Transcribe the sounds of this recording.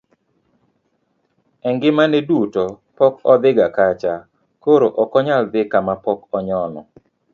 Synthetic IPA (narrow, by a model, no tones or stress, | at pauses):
ɛŋɡɪmaneduto | pɔkɔd̪ɪɡakat͡ʃa | koɾoʔɔkɔɲald̪ɪkamapɔkɔɲɔnɔ̰